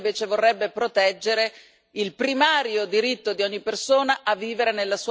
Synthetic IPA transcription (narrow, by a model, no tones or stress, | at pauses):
veːt͡ʃevorːɛbːepɾot̪ɛd͡ʒːeɾe | ilpɾimaːɾjod̪iɾit̪ːod̪iɔɲːipːersoːnaʔavːiːveɾenelːasuː